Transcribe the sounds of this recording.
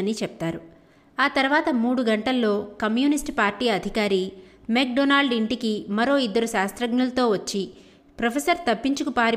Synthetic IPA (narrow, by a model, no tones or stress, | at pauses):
ɐnit͡ʃɛp̚t̪aːɾu | aːt̪ɐɾuʋaːt̪ɐmuːɽuɡɐɳʈɐlːo̞ːkɐmjuːnisʈpaːɾʈiːɐd̪ʱikaːɾiːmeːk̚ɖonaːlɖiɳʈikimɐɾo̞ːid̪ːɐɾuʃaːst̪ɾɐɡɳɐlɐt̪o̞ːʋɐt͡ʃːi | pɾɐpʰesɐɾt̪ɐpːiɲt͡ʃukupaːɾi